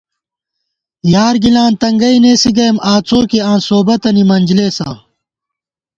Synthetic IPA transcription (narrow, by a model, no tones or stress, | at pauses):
jaːɾɡilãːnt̪ɐŋɡɐineːsiɡɐjmaːt͡sʰoːkeãːnsoːbɐt̪ɐnimɐnd͡ʑleːsã̰ː